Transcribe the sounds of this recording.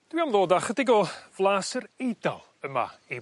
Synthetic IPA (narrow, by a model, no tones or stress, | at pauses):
d̥wiamðˠlˠoːdaχədɪɡɔv̥lˠaːsəɾejda̰lˠəma̰i